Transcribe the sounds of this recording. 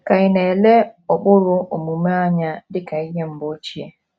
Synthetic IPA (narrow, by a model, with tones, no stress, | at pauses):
ka˨ɪ˦ne˨le˦ɔ˨k͡pʊ˦ɾʊ˦o˨mu˨me˦a˦ɲa˨dɪ˦ka˨i˦ɦe˦m̩˨˦bo˦t͡ʃi˦e˨